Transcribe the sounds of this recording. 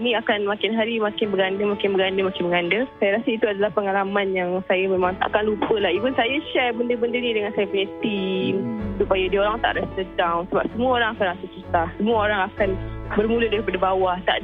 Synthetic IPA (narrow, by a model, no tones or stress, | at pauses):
niakanmakɪnɦaɾimakɪnbəɡandəmakɪnbəɡandəmakɪnməŋandəsajaɾasəit̪uadalahpəŋalamanjaŋsajamemaŋa̰kanlupəlaipʊnsajaʃɛrbəndəbəndəɾidəŋansajapəɲət̪imsupajadioɾaŋt̪a̰ʔɾastədaŋsəbap̚səmuəoɾaŋakanasət͡ʃut̪ahsəmuaoɾaŋakanbərmulədaɾipadabawaht̪a̰ʔ